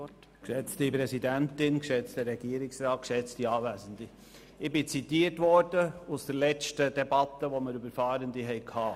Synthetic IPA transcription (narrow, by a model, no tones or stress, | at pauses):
kʃɛt͡stipɾɛsidæntɪnkʃɛt͡stəɾɛɡ̥iːəɾɪksɾɑːt̚kʃɛt͡stiɑːvæːsənd̪i | ɪbɪt͡sit̪iərtvɔɾd̥əusd̥əɾlɛt͡ʃtəd̥ɛbɑtːəʋoməɾybəɾfɑːɾəndiɦɛɪkʰhɑː